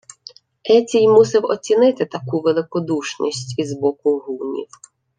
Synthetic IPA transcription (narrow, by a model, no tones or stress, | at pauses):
ɛt͡sʲijmusɪwɔ̰t͡sʲinɪt̪ɪt̪ɐkuʋelˠɪkɔd̪uʃnʲḭsʲtʲizbɔkʊɦunʲḭw